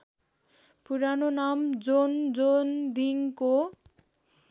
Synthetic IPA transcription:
puɾanonamd͡zond͡zond̪iŋko

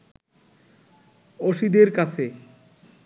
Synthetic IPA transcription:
oʃid̪eɾkat͡ɕʰe

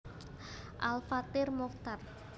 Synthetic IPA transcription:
ʔalfat̪ɪrmɔkt̪ar

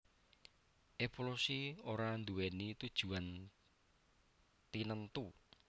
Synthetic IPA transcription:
ʔefolusioɾand̪uwenit̪ud̥ʒ̥ṳan | t̪inənt̪u

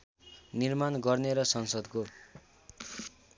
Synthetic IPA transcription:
nirmanɡʌrneɾʌsʌnsʌd̪ko

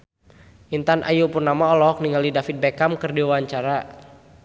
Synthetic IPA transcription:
int̪anʔa̰jupurnamaɔlɔk̚niŋalidafit̪̚bekamkɨrdiwaɲt͡ʃaɾa

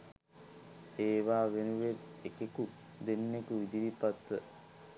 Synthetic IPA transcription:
eːʋaːʋenuʋet̪ekeku | d̪enːekuʋid̪iʋipat̪ə

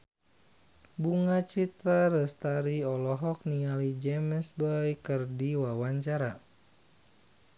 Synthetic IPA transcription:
buŋat͡ʃit̪ɾaɾəst̪aɾiɔlɔɦɔk̚nialid͡ʒɛməsbɔjkərdiwawaɲt͡ʃaɾa

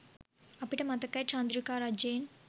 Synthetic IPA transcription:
ɐpːiʈɐmɐt̪ɐkːɐjt͡ʃand̪ɾukaːɾɐd͡ʒeːn

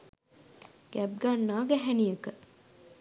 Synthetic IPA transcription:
ɡ̥æb̚ɡanːaːɡɛɦænijəkə

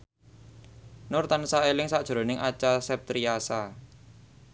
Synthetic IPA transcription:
nʊrt̪ansaelɪŋsaʔd̥ʒ̥̤ɾo̤nɪŋʔat͡ʃasɛp̚t̪ɾiasa

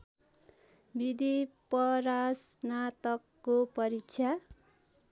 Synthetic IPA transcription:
bid̪ipʌɾasnat̪ʌkːopʌɾit͡sʰja

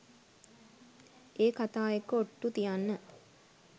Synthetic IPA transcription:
eːkat̪aːekəoʈːut̪ijanːə

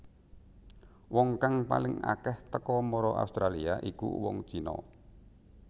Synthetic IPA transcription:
wɔŋkaŋpalɪŋa̰kɛht̪əkɔmɔɾɔʔa̰ust̪ɾaliaʔikṵwɔŋt͡ʃinɔ̰

